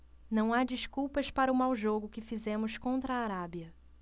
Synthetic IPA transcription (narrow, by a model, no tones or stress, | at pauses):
nɐ̃w̃ad͡ʒiskuwpɐspaɾɐʊmawʒoɡʊkɪfizẽmʊskõnt̪ɾɐaːɾabiɐ